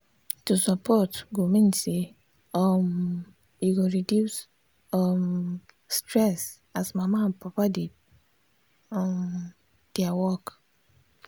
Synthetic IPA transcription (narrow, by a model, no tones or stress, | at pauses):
tusɔpɔtɡomĩn̩se | ɔm | iɡoɾidjus | ɔm | stɾɛs | asmamapapaded | ɔm | d̥ɛawɔk